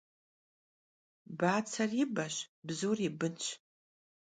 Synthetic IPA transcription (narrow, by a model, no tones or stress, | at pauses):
baːt͡sʰɐrɪbɐɕbzuːribɨnt͡ʃʰʼ